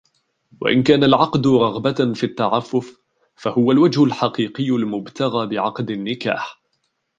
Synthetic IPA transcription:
wa̰ʔɪ̰nkaːnalʕɑqd̪ʊɾˤɑɣbafit̪ːaʕafːʊf | fahʊwalwad͡ʒhʊlħɑqiːqɪjːʊlmʊbt̪aɣaːbɪʕɑqd̪ɪnːɪka̰ːħ

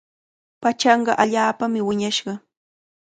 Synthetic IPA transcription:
pat͡ʃɑɴɢɑʔaʎaːpamɪwɪɲaʃɢɑ

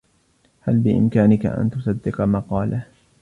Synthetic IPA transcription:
halbɪʔɪ̰mkaːnɪka̰ʔa̰nt̪ʊsˤɑd̪ːɪqɑmɑqɑːlʔa

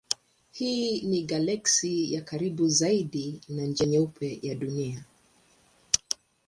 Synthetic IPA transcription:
hiːniɡalɛksijakaɾiɓuzaiɗinand͡ʒɛɲɛupʰɛjaɗunia

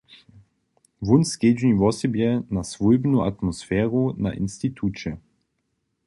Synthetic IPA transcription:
vunsked͡ʒnivɔsɛbjɛnasvujbnuat̪mɔsfɛːɾuna̰ʔḭnst̪it̪ʰut͡ʃɛ

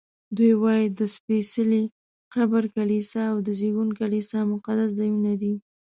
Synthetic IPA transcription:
d̪ujwɑjid̪əspesəli | qabaɾkalisaːwd̪əzeɡunkalisɑmʊqad̪as̬zajunad̪i

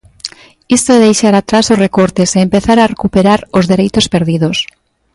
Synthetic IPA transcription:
ist̪oɛðejʃaɾat̪ɾasosrekoɾt̪eseːmpeθaɾarekupeɾaɾozðeɾejt̪ospeɾðiðos

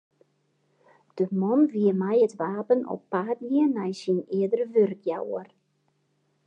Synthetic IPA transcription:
d̥əmɔnʋiəmajətʋaːpənɔ̰pːaːdniənajsinɪədərəʋørkjawər

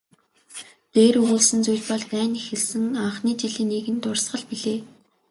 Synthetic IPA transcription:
t̪eːrɵɣuːɮsɘ̆nt͡sujɮpɔɮk̪æːnixĕɮsɘ̆ŋaɴχniːt͡ɕiɮiːneːɣɘ̆nt̪ʊrsɢə̆ɮpiɮeː

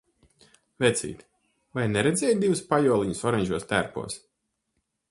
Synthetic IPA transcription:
vɛt̪sʲḭːt̪ʲ | vajnɛɾɛd̪zʲɛːjd̪ivɨspajuɔlˠiɲusɔɾɛɲʲʒuɔst̪æɾpṵɔs

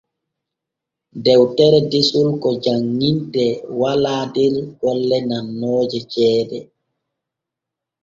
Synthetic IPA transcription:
dɛwtɛɾɛdisulkɔd͡ʒaŋːintɛwalaːdiɾɡ̥ɔlːɛnanːoːd͡ʒɛt͡ʃɛːdɛ

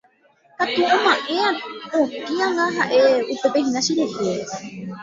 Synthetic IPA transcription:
kat̪uõmãʔẽ̞ãokiãŋɡãɦaʔeupe̞peɦĩnãʃiɾehee

